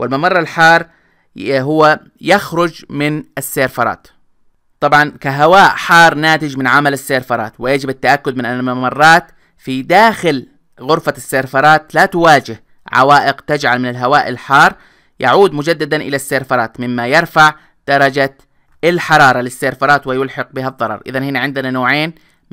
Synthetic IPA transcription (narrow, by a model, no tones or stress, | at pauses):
wʔɪlmamɑrˤːɑlħɑːɾˤ | ɦʊwːa | jaxɾʊd͡ʒmɪnɪsːeːɾfɑɾˤɑ̰ːt̪ | t̪ˤɑbʕɑnkaɦawaːʔħɑːɾˤnaːt̪ɪd͡ʒmɪnʕamalasːeːɾfɑɾˤɑ̰ːt̪wɪjad͡ʒɪbat̪ːaʔakːʊd̪̚mɪnʔanːamamɑrˤːɑːt̪ | fid̪aːxɪl | ɣʊɾfasːeːɾfɑɾˤɑːt̪lat̪ʊwaːd͡ʒɪh | ʕa̰waːʔɪqt̪ad͡ʒʕalmɪnalɦawaːʔɪlħɑːɾˤ | ja̰ʕuːd̪mʊd͡ʒad̪ːad̪anʔɪlasːeːɾfɑɾˤɑːt̪mɪmːajɪɾˤfaʕ | d̪̥ɑɾˤɑd͡ʒa | ɪlħɑɾˤɑːɾˤɑlɪsːeːɾfɑɾˤɑːt̪wɪjʊlħɑq̚bɪɦaðˤːɑɾˤɑ̰ɾˤʔɪ̰ðanhɪnaʕɪnd̪ɪnanoːʕeːn